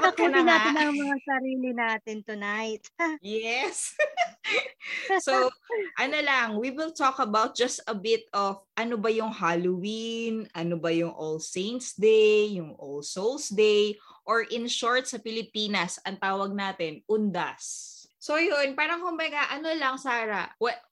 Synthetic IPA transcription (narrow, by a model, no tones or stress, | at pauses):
ɐɐnɪnaɪnɐŋmɐŋasɐɾiːlɪnaːt̪ɪnt̪ʊnajt̪̚jɛs | oʔɐnolɐŋwiwɪlt̪okɐbawt̪̚d͡ʒɐst̪ɐbɪt̪ɔfʔɐnobɐjʊŋhalowinʔɐnobɐjʊŋʔolsejnt̪sd̪ejjʊŋʔolsowlsd̪ejʔoɹʔɪnʃoɹt̪̚sɐpɪlɪpiːnɐsɐŋt̪aːwɐɡ̚naːt̪ɛnʔʊnd̪asːojonpaːɾɐŋkʊmbɐɡaʔɐnolɐŋsaːɾɐwɛ